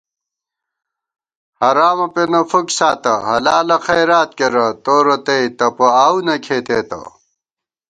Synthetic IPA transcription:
hɐɾaːmɐpenɐfuksaːt̪ɐɦɐlaːlɐxɐjɾaːt̪̚keɾɐt̪oːɾot̪eit̪ɐpoaːunɐkʰeːt̪eːt̪ɐ̰

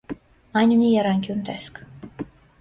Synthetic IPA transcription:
ɑjnunijɛɾɑŋkʲjunt̪ɛskʰ

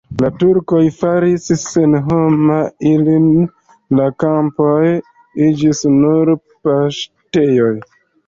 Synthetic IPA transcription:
latuɾkojfaɾisse̞nɦo̞mailin | lakampoj | id͡ʒisnuɾ | paʃte̞jo̞j

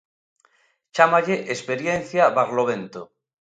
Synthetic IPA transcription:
t͡ʃamaʎeʔespeɾjen̟θjaβaɣloβ̞ent̪o

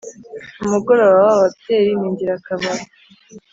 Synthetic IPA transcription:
umuɡo̞ɾoβawaβapteɾiniːɲɟiɾakaβaɾ

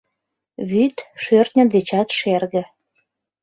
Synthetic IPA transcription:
βyt̪ʃørt̪nʲəd̪et͡ɕɑt̪ʃerɣə̆

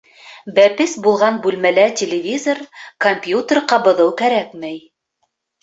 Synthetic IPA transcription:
bæpɘsbulˠʁɑnbʉlmælætʲelʲɪvʲizorkomʲpʲjut̪ʲerqɑbɤ̆ðɤwkæɾækmæj

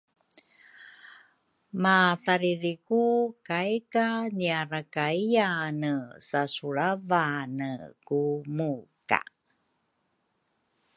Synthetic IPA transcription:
maθaɾiɾikukajkaniaɾakaijanəsasuɭavanəkumuka̰

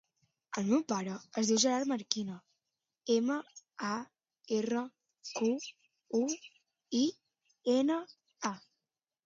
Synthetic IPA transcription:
əlˠmewpaɾəəzðiwʒəɾaɾməɾkinə | eməa | erə | ku | u | i | enə | a

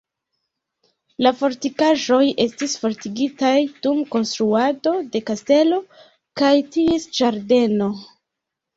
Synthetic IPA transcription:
lafo̞ɾtikaʒo̞je̞stisfo̞ɾtiɡitajd̥umko̞nstɾuado̞de̞kaste̞lo̞ | kajtiesd͡ʒaɾde̞no̞

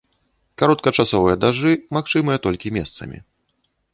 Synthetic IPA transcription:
kaɾɔt̪̚kɐt͡ʂasɔvɨjɐd̪aʐɨmaxt͡ʂɨmɐjɐt̪ɔlʲkʲimʲɛ̰st̪sɐ̰mʲḭ

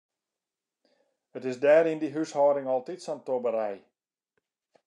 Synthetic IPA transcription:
ətɪsdɛːɾindiɦyshɔːɾɪŋɔlˠtitsɔntobəɾɛj

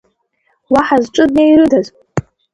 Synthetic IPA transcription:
waħazʈ͡ʂʷʼɨdnejɾɨdaz

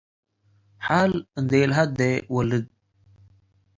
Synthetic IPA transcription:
ħaːlnd̪elɦad̪̚d̪ewəlid̪̚

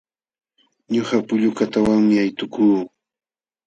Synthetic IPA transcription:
ɲoχapʊʎʊkat̪awaŋmɪajt̪ʊkuː

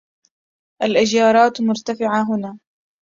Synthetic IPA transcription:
ʔalʔad͡ʒjɑːɾˤɑːt̪mʊɾt̪afɪʕaɦʊnaː

